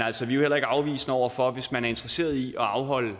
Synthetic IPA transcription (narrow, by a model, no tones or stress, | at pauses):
næl̰sɒʋiohel̰ɐe̝ɡ̥əɑ̈ʊʋḭːsnəɒʊ̰ɐfɒ̽ʋe̝smænæɐe̝nd̥ʁɐse̝̰ːɐð̞ˠiʔɒ̽ɑ̈ʊɦɒ̽l̰ə